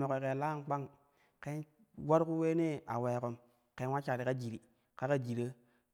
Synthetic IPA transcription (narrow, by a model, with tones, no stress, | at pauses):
mo˨ke˨ke˨la˦˨nk͡pa˦ŋ | ke˦n | wa˦ɾku˦we˦ne˦a̰˨we˨ko˨m | ke˦wa˦t͡ʃa˨ɾi˨ka˦d͡ʒi˨ɾi˨ | ka˦ka˦d͡ʒi˨ɾə˦